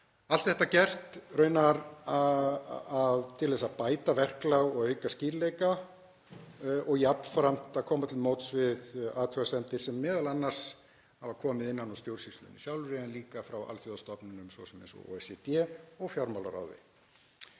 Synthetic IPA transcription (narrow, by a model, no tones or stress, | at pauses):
al̥t̪θɛht̪acɛr̥t̪rœːɥnaɾa | aðt̪ʰɪlðɛs̬apaːjt̪avɛr̥klawɣɔɣœːɥkasciːɾlejka | ʔɔɣjapnfɾam̥t̪aðkʰɔːmat̪ʰɪlmoːwt̪svɪðaːt̪ʰœasɛnt̪ɪɾ̥sɛmːɛːðalanːaɾ̥s | havaɾkʰɔːmɪðɪnːanɔst̪jowɾ̥sist̪lʏ̰nḭsjawlɾɛɛnliːkafɾawa̰lθjɔðast̪ɔpnɪnʏmsvɔ̰sɛmḛjnsɔ̰o̰ːɛsɛt̪ɛːɔɣfjawɾmawla̰ɾa̰wðɪ̰